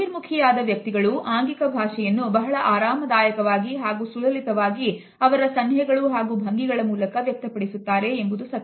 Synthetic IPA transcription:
iɾmukʰɐjaːd̪ɐʋjɐk̚t̪iɡɐɭuʔaːŋɡikɐbʱaːʃɛjɐnːubɐɦɐɭɐʔaːɾaːmɐd̪aːjɐkɐʋaːɡiɦaːɡuːsulɐlit̪ɐʋaːɡi | ɐʋɐɾɐsɐnɦɛɡɐɭuɦaːɡuːbʱɐŋɡiɡɐɭɐmuːlɐkɐʋjɐk̚t̪ɐpɐɽisut̪ːaːɾe̞embud̪usɐt̪ː

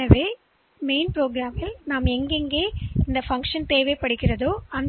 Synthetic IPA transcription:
ɐʋeː | meɪnpɾoːɡɾaːmɪlnaːmɛŋɡeŋɡeːɪnd̪ɐfɐŋkʂɐnt̪eːʋɐɪpːɐɽɯkːɪrɐðoːɐn

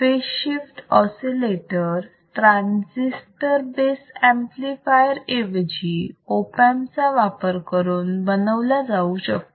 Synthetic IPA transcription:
peɕifʈɔsileʈəɾ | t̪ɾãnd͡zisʈəɾbesɛ̃mplifajəɾeʋd͡ʑiopãnt͡saʋapəɾkəɾuːnbənəʋlad͡zauɕək̚t̪

